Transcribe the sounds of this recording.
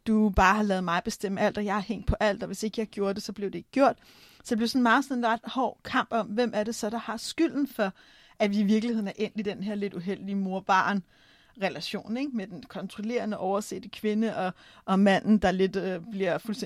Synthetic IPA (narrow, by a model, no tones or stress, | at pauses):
d̥ub̥ɑ̈ːhɑ̈lɛːð̩ˠmɑ̈ɪb̥e̝sd̥em̰əæl̰d̥ɒ̽jɑ̈ɪhæɐheŋ̰d̥̚pʰɒ̽ʔæl̰d̥ɒ̽ʋe̝se̝ɡ̥əjɑ̈ɪɡ̥jo̝ːɐd̥e̝sɒ̽b̥le̝ʊd̥e̝e̝ɡ̥ə̥ɡjo̝ɐ̰d̥ | sɒ̽deb̥leʊsɒ̽nmɑ̈ːð̩ˠsɒ̽ne̝nʁɑd̥hɒ̰ːkʰɑ̈m̰b̥ɒ̽mʋemʔæɐɾe̝sɒ̽d̥ɑ̈hɑ̈sɡ̥yl̰n̩fɒ̽ | æʋiːʋiɐɡ̥lihe̝ð̰ˠnæɐʔen̰d̥id̥enɦeɐ̰le̝d̥uɦel̰d̥imo̝ɐb̥ɑ̰̈ːn | ʁɛlæɕo̝̰ːneɡ̥̚med̥enkʰɒ̽nt͡sʰʁole̝̰ːɐnəʔɒʊɐse̝̰ːd̥əkʰʋe̝nəʔɒ̽ | ʔɒ̽mæn̰n̩d̥ɑ̈le̝d̥øb̥liɐfulse